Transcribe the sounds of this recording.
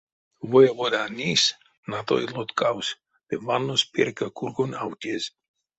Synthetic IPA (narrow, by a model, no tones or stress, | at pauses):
vojavod̪anʲis | nat̪o̰ilot̪kaws | demanːospeɾkakuɾɡona̰wt̪ʲes